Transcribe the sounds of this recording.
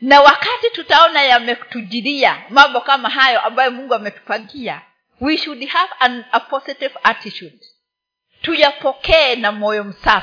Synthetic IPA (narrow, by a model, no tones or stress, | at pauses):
nawakatitutaɔnajamɛtuʄiɾiamambɔkamaɦajɔʔambajɔmuŋɡuamɛtu̥paŋɡia̰ | wiʃudhavanapɔsitivatitud | tujapɔkɛːnamɔjɔm̩sa